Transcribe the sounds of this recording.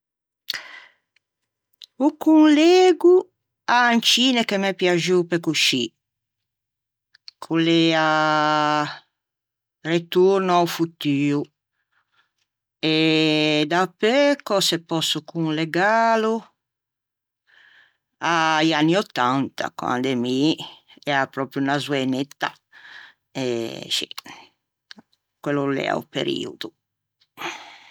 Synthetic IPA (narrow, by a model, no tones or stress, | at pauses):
ukunleːɡu | ant͡ʃiːnekemepjaʒupekuʃi | kʰulɛa | ret̪uɾnaufut̪yːu | ed̪apːɛkɔsepːɔsːukuŋleɡaːlu | ajanːiɔt̪ːant̪ʰa̰kwa̰nd̪emi | ɛɾapɾɔpɾjuunazwenet̪ːa | ɛʃḭ | kwelːulɛ̰a̰ṵpḛɾḭːṵd̪u